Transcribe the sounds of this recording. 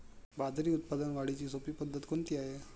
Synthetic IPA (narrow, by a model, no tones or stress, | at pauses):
bad̪ʱɾiːut̪̚pad̪ənʋaɽ̤it͡ɕiːsopiːpəd̪ʱːət̪kont̪iːaɦe